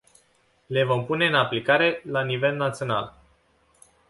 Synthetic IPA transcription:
le̞vo̞mpune̞ɨnaplikaɾe̞lanive̞lnat̪sio̞na̰l

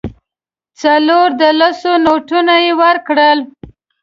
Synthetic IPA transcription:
t͡saloɾd̪əlasonoʈunajewəɾkɽəl

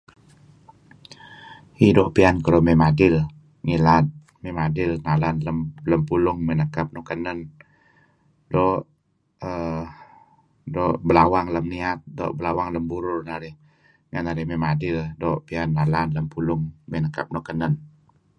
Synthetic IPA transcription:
hidɔʔpiankəɾomemadɪl | ŋilat̪̚ | memadɪlnalanlələmpulʊŋmenəkap̚nukənən | dɔʔ | ə | dɔʔbəlawaŋləmniat̪̚dɔ̰ʔbəlawaŋləmbuɾʊrnaɾɪh | ŋənaɾɪhmemadɪldɔʔpianːalanləmpulʊŋmenəkap̚nokənən

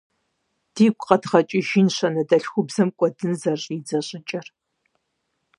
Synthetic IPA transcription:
d̥iːkʷʼqɐtχɐt͡ʃʼɪʒinɕɐnɐdɐɬxʷʊbzɐmkʷʼɔdɨnzɐɕʼid͡zɐɕʼɪt͡ʃʼɐr

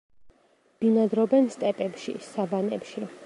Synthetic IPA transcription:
b̥inad̪ɾɔbɛnst̪ʼɛpʼɛpʃḭsabanɛ̰pʃi

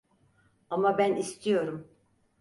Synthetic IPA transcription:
amabænist̪ʰijo̞ɾum

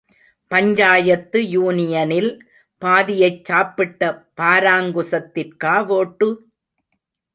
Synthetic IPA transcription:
pɐɲd͡ʒaːjɐt̪ːɯjuːnɪjɐnɪl | paːðɪjɐɪt͡ʃːaːpːɪʈːɐpaːɾaːŋɡɯsɐt̪ːɪrkaːʋoːʈːɯ

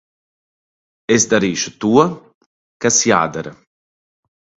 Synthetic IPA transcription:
ɛsd̪aɾiːʃət̪uːa | kasja̰ːd̪əɾə

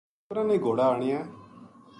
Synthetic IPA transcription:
ɾãnẽːɡoːɽaaːɽ̃ɪjɛː

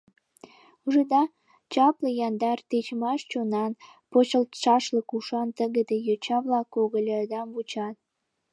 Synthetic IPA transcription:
uʒed̪ɑ | t͡ɕɑpləjɑnd̪ɑrt̪et͡ɕmɑʃt͡ɕonɑnpot͡ɕəlt̪ʃɑʃləkuʃɑnt̪əɣə̆d̪ejot͡ɕɑβlɑkːoɣəlʲɑd̪ɑmβut͡ɕɑt̪̚

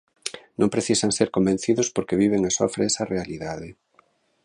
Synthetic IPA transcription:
nõmpɾeθisaŋseɾkombẽnθiðʊspoɾkeβiβ̞eŋasoafɾesarealiðaðɪ

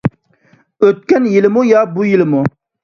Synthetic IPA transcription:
øt̪̚kʲɛnjilɪmujɑbujilɪmu

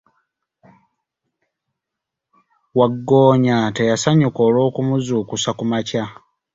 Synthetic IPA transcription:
waɡːoːɲate̞jasaɲuko̞ːlo̞ːkumuzuːkusakumaca

